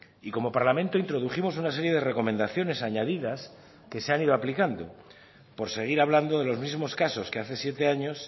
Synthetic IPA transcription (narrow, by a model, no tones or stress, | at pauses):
iko̞mo̞paɾlamẽ̞nt̪o̞int̪ɾo̞ð̞uximo̞sunas̬e̞ɾje̞ð̞e̞re̞ko̞mẽnd̪aθjo̞ne̞saɲaðiðas | ke̞se̞aniðo̞aplikand̪o̞̰ | po̞ɾse̞ɣ̞iɾaβland̪o̞ðe̞lo̞zmizmo̞skaso̞ske̞aθe̞sje̞t̪e̞aɲo̞s